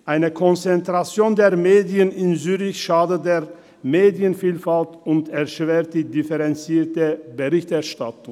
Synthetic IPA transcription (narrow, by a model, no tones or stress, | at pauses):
ʔaɪnəkʰɔnt͡sɛntʁ̥at͡sjoːndeːɐmeːdiənɪnzyːʁɪçʃaːdədeːɐ | meːdjənfiːlfaltʊntɛɐʃv̥eːɐt̚d̥iːdɪfəʁɛnt͡siːɐtəbəʁɪçtɛɐʃtatʊŋ